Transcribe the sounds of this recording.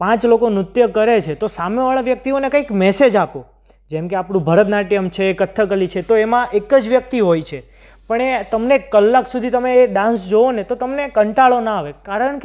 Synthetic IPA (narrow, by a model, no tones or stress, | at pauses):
pãt͡ʃlokonɾʊt̪jəkəɾet͡ʃʰet̪osameʋaɭaʋjək̚t̪ionekə̃ikmɛsed͡ʒapo | d͡ʒɛmkeapɳ̃ũbʱəɾəd̪naʈiəmt͡ʃʰeːkət̪ʰːəkəlit͡ʃʰet̪oemãʔekəd͡ʒʋjək̚t̪iɦojt͡ʃʰe | pəɳet̪əmnekəlːaksud̪ʱit̪əmeːɖãnsd͡ʒoonet̪ot̪əmnekəɳʈaɭonaːʋekaɾəɳke